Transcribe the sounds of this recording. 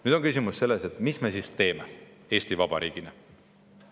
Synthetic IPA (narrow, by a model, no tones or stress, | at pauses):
nyːd̪̥oŋkysʲimusse̞lːese̞t̪ːˑmisme̞sist̪e̞ːme̞ | e̞ːsʲt̪ivɑb̥ɑ̰ɾiːɡ̥ine